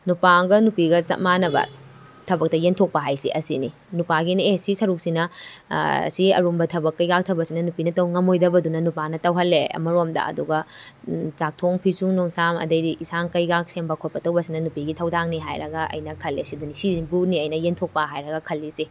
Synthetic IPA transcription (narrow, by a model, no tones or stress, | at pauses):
nupaɡɐnupiɡɐsɐ̰manɐbɐ̰ | tʰɐbɐk̚tɐjentʰok̚pɐɦajsḭʔɐsḭni | nupaɡinesisɐɾuk̚sinɐ̰ | siɐ̰ɾumbɐtʰɐbɐkːɐjɡak̚tʰɐwbɐsinɐnupinɐtɐwŋɐmojdɐbɐdunɐnupanɐtɐwɦɐlːeɐ̰mɐɾomdɐ̰ɐ̰duɡɐ | t͡ʃak̚tʰoŋpʰisuŋnoŋsamɐ̰dɐjdiʔisaŋkɐjɡak̚sembɐkʰot̚pɐtʰɐwbɐsinɐnupiɡitʰɐwdaŋniɦa̰jɾɐ̰ɡɐɐ̰jnɐkʰɐlːesidunisibuniɐjnɐjentʰok̚pɐɦajɾɐɡɐkʰɐlːisi